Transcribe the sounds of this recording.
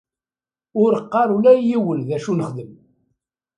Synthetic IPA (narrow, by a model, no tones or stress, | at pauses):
ʊɾəqːɑɾˤulæjːiwənðæʃunəχðəm